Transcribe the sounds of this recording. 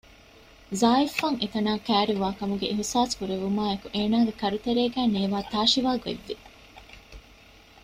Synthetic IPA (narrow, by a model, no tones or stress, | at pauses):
zaːifːɐŋʔet̪ɐnaːkæːɾiʋaːkɐmuɡeʔiɦisaːskuɾeʋumaːekuʔeːnaːɡekɐɾut̪eɾeːɡæːneːʋaːt̪aːʃiʋaːɡḛʋːi